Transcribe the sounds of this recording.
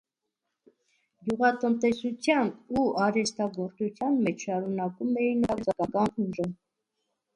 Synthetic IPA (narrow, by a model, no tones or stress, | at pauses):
ɡjuʁɑt̪ənt̪ɛsut͡sʰjɑnuɑɾɛst̪ɑɡɔɾt͡sut͡sʰjɑnmɛt͡ʃʰʃɑɾunɑkumɛjinɑɾd͡zɑkɑkɑnhuʒə